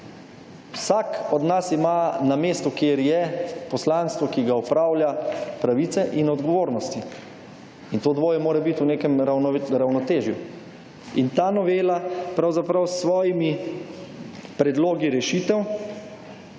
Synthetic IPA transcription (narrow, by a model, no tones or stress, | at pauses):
wsaːkɔd̪nasimanameːst̪ukjeːɾjɛpɔslanst̪ʋɔkiɡaɔpɾaːwljapɾaʋit̪sɛʔinɔd̪ɡɔʋoːɾnɔst̪i | int̪oːd̪ʋoːjɛmoːɾɛbit̪uneːkɛmɾawnɔt̪eːʒju | int̪aːnɔʋeːlapɾawzapɾawsʋɔːjimi | pɾɛd̪loːɡiɾɛʃiːt̪ɛw